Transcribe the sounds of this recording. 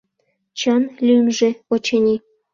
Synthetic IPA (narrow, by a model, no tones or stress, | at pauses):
t͡ɕɑnlʲymʒĕot͡ɕenʲi